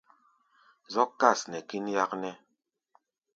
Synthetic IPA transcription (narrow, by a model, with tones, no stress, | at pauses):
zɔ˦kːa˦˨snɛ˨ki˦n˦ja˦knɛ˦